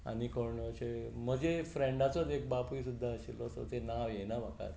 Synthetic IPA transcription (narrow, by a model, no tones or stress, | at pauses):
a̰nikʰəɾɳɔt͡ɕem̤əd͡ʑefɾẽɳɖat͡sɔd͡zek̚bapisud̪ʱːaəɕilɔsɔ̰t̪enaʋjenabaka̰ɾ